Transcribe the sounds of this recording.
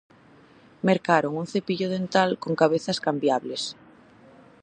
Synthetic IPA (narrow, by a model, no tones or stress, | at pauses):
meɾkaɾoŋunθepiʎoðent̪alkoŋkaβ̞eθaskambjaβles